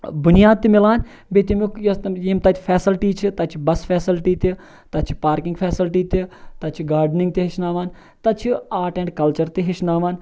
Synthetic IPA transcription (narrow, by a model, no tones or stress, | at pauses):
bʊnijaːd̪̚t̪imɪlaːn | bet̪imikjɐst̪jemt̪ɐt͡ʃ̪ʰipʰɛːsɪlʈiːt͡ʃʰit̪ɐt͡ʃʰibɐsfʰɛːsɪlʈiːt̪i | t̪ɐt͡ʃʰi̥paːɾkɪŋɡpʰɛːsɪlʈiːt̪it̪ɐt͡ʃʰiɡaːɾɖnɪ̃ŋɡ̚t̪eɦɪʃnaːʋaːn | t̪ɐt͡ʃʰiaːʈɛɳɖkɐlt͡ʃɐɾt̪eɦɪʃnaːʋaːn